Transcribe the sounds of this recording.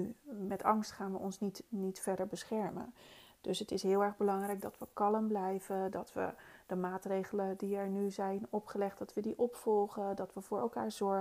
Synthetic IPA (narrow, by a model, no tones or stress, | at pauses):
mɛtɑŋstχaːnʋəʔɔnsnitnitfɛɹdəɹbəsχɛɹmə̰nd̥ɵsɦətɪsɦɪːlˠɛɹχbəlɑŋrɛjɡ̚dɑtʋəkɑləmblɛjvədɑtʋə̰d̥əmaːtrejχələdiɛɹnyzɛjnɔpχəlɛχtdɑtʋədiʔɔpfɔlˠχədɑtʋəvʊːɹɛlˠkaːɹzɔɹ